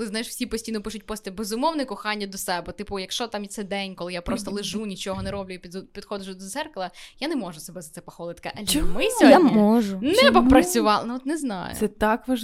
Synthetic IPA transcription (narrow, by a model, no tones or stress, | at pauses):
klˠɪznɑjɪʃw̥sʲipɔsʲtʲijnɔpɪʃʊt̚ʲpɔsʲt̪ɛbezʊmɔwnɪkɔxɑnʲːɐd̪ɔsɛbɛt̪ɪpʊjɐkʃt͡ʃɔt̪ɑmit̪sɛd̪ɛnʲkɔlˠɪjapɾɔst̪ɔlˠɪʒunʲit͡ʃɔɦɔnɛɾɔblʲʊjipʲipʲid̪̥xɔd͡ʒʊʒd̪ɔt̪zɛrklˠɐjanɛmɔʒʊsebɛzɐt̪ɛpɐxɔlˠɪt̪kɐ̰ʔɐlʲmɪsʲɔjamɔʒʊnɛbɐpɾɐt͡sʲʊʋɑlˠnɔt̪nɛznɑ̰jʊsɛt̪ɑkʋɐ